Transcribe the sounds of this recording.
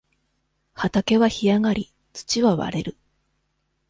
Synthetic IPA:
hat̪ake̞βaçijaŋaɾʲi | t͡sɨ̥t͡ɕiβaβa̰ɾe̞ɾɯ̟

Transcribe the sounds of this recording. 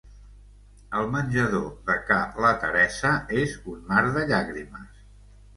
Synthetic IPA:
əlˠmənʲʒəðoðəkalət̪ə̰ɾɛsəezunmaɾðəʎaɣɾiməs

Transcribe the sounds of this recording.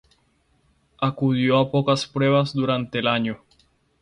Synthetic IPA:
akuðjoapokaspɾwe̞β̞azd̪uɾant̪eːlaɲo

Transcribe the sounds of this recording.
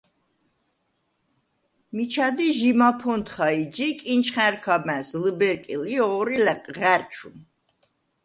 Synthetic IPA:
mit͡ʃʰad̪iʒimapʰɔnt̪ʰχaid͡ʒikʼint͡ʃʰχɛ̃ɾkʰamɛsləbɛɾkʼiliɔːɾilɛqʼʁæɾt͡ʃʰṵm

